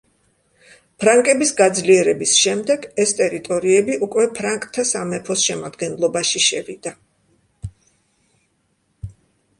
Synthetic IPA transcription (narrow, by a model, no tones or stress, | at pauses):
pʰɾaŋkʼɛbisɡad̪zliɛɾɛbisʃɛmd̪ɛɡɛst̪ʼɛɾit̪ʼɔɾiɛbiʔukʼwɛpʰɾaŋkʼt̪ʰːasamɛpʰɔsʃɛmad̪ɡɛnlˠɔbaʃiʃɛvid̪̥a